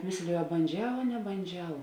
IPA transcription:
ˈmʲeːsʲlʲeːjʊ ɐ bɐnʲˈd͡ʒʲɛʊ ɐ nʲɛbɐnʲˈd͡ʒʲɛʊ

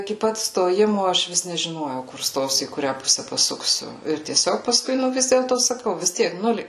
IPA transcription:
ɪkʲɪ ˈpɐt stoːˈjɪmoː ˈɐʃ ˈʋʲɪs nʲɛʒʲɪˈnoːjɛʊ kʊr ˈstoːsʲʊ iː kʊˈrʲæː ˈpʊsʲɛ pɐˈsʊksʲʊ ɪr tʲiɛˈsʲoːk pɐˈskʊɪ ˈnʊ ˈʋʲɪs dʲeːlˠtoː sɐˈkɐʊ ʋʲɪs ˈtʲiɛk ˈnʊlʲeː

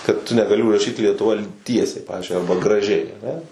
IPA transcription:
kɐt tʊ nʲɛɡɐˈlʲɪ ʊʒrɐˈʃʲiːt lʲiɛtʊˈʋɐ ˈtʲiɛsʲɛɪ ˈpɑːʋʲɪzʲd͡ʒʲʊɪ ˈɐrbɐ ɡrɐˈʒʲɛɪ ɐˈnʲɛ

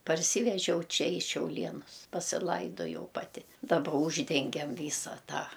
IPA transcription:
pɐrʲˈsʲiːʋʲɛʒʲɛʊ ˈt͡ʃʲɛ iː ʃʲɛʊˈlʲiɛnʊs pɐsʲɪˈlˠɐɪdoːjɛʊ ˈpɑːtʲɪ dɐˈbɐ ˈuːʒʲdʲɛŋʲɡʲɛm ˈʋʲiːsɐ ˈtɑː

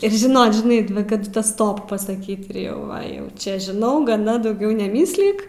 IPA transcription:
ɪr ʒʲɪˈnoːt ʒʲɪˈnɐɪ ʋɐ kɐˈdʊ ˈtɐ ˈstoːp pɐsɐˈkʲiːt ɪr ˈjɛʊ ˈʋɐ ˈjɛʊ ˈt͡ʃʲɛ ʒʲɪˈnɐʊ ɡɐˈnɐ dɐʊˈɡʲɛʊ nʲɛˈmʲiːsʲlʲɪk

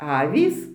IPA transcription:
ˈɑːʋʲiːs

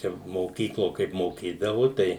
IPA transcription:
ˈt͡ʃʲɛ moːˈkʲiːklˠoː ˈkɐɪp moːˈkʲiːdɐʋʊ ˈtɐɪ

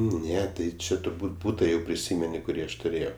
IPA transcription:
ˈnʲɛ tɐɪ ˈt͡ʃʲɛ tʊrˈbuːtʲ ˈbuːtɐ jɛʊ pʲrʲɪˈsʲiːmʲɛnʲɪ kʊˈrʲiː ɐʃ tʊˈrʲeːjɛʊ

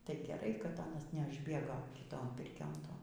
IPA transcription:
tɐɪ ɡʲɛˈrɐɪ kɐt ˈɑːnɐs nʲɛˈɑːʒʲbʲeːɡoː kʲɪˈtoːn ˈpʲɪrʲkʲoːn ˈtoːn

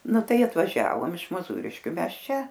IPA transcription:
ˈnʊ ˈtɐɪ ɐtʋɐˈʒʲæːʋoːm ɪʃ moːˈzuːrʲɪʃʲkʲʊ ˈmʲɛs ˈt͡ʃʲɛ

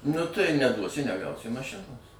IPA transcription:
nʊ tɐɪ nʲɛˈduɔsʲɪ nʲɛˈɡɐʊsʲɪ mɐˈʃʲɪnoːs

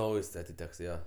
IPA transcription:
ˈnɐʊjs ɐtʲɪˈtʲɛks ˈjoː

